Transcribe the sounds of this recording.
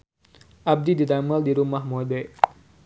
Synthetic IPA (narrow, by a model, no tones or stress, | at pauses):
ʔab̚dididaməldiɾumahmodɛ